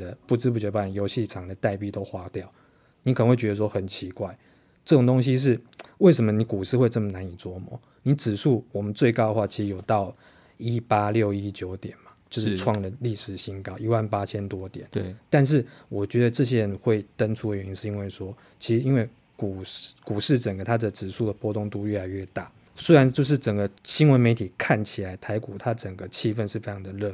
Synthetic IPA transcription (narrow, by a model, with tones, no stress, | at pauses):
ə˨pu˥˩t͡sɻ̩˥p̬u˥t͡ɕjo˧˥˧pa˥˩n˨˩jo˧˥ʊɕi˥˨˩ʈ͡ʂʰɑ˨˩ŋd̪ə˩t̪a˥˧ɪpi˥˨t̪o˥ʊxwa˧˥t̪jɑ˥˨ʊ | ni˨˥kʰə˨˩ə˦xwe˥˩ɪɥɛ˧˥ə˧ʂwɔ˥xə˨˩nt͡ɕʰi˧˦kwa˥˩ɪ | ʈ͡ʂɤ˥˩ʊ˨˩ŋt̪o˥ŋɕ̬i˦ʂ̬ɻ̩˥˩we˥˩ɪʂ̬ə˧˥mə˨ni˨˦ku˨˩ʂɻ̩˥˧xwe˥˧ɪt͡sɤ˥˩mə˨˩na˨˧˦ni˨˩t͡swɔ˥mɔ̰˨˦ | ni˨˧˦t͡sɻ̩˨˩ʂʰu˥˩wɔ˨˩mə˨˦nt͡swe˥˩ɪkɑ˥ʊdə˨˩xwa˥˩t͡ɕʰi˧˥ʂ̩˧jo˨˩ʊt̪ɑ˥˨ʊ | i˦˥pa˥ljo˥˩ʊi˦t͡ɕjo˧˥ʊt̪jɛ˨˩nma˨˩t͡ɕjo˥˧ʊʂ̩˥˧ʈ͡ʂʰwɑ˥˩ŋd̪ə˨li˥˩ʂɻ̩˨˩ɕi˥ŋkɑ˥ʊʔi˧˥wa˥˩npa˥t͡ɕʰjɛ˥nt̪wɔ˥t̪jɛ̰˨˩˦nt̪a˥˧nʂ̬ɻ̩˥˩wɔ˨˩t͡ɕɥɛ˧˥d̪ə˧ʈ͡ʂɤ˥˧ɕ̬jɛ˥ɻə˧˦nxwe˥˩ɪt̪ə˦ŋʈ͡ʂʰu˧˥d̪ə˨˩ɥɛ˧˦ni˧˥nʂɻ̩˥˨i˧˥nwe˥˩ɪʂwɔ˥ | t͡ɕʰi˧˥ʂɻ̩˧i˦˥nwe˥˩ɪ | ku˨˩ku˨˩ʂɻ̩˥˩ʈ͡ʂə˨˩ŋɡə˩˦t̪ʰa˥d̪ə˨t͡sɹ̩˨˩ʂu˥˩d̪ə˩pwɔ˥t̪ʊ˥˧ŋt̪u˥˧ɥɛ˥˩la˧˥ɪɥɛ˥˧t̪a̰˥˩ | swe˥ɪɻa˧˦nt͡ɕjo˥˧ʊʂ̬ɻ̩˥˩ʈ͡ʂə˨˩ŋɡə˦ɕi˦˥nwə˧˦nme˧˥ɪt̪ʰi˨˩kʰa˥˩nt͡ɕʰi˨˩la˨˧˥ɪt̪ʰa˧˥ɪku˨˩t̪ʰa˦˥ʈ͡ʂə˨˩ŋɡə˩t͡ɕʰi˥˧fə˥˧nʂɻ̩˥˩fe˥ɪʈ͡ʂʰɑ˧˥ŋd̪ə˨lɤ˥˧